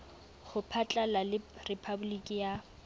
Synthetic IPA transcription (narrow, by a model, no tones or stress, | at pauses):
χʊpʰat͡ɬʼalalɪrɪpʰabʊlikʼija